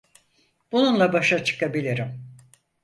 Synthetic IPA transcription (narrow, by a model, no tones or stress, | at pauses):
b̥ununlˠabaʃat͡ʃʰɯ̥kabilʲiɾim